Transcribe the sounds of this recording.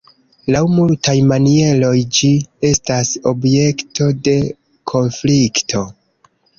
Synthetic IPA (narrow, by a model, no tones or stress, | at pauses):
lawmultajmanie̞lo̞jd͡ʒie̞staso̞bje̞ktʰo̞de̞ | kʰo̞nfliktʰo̞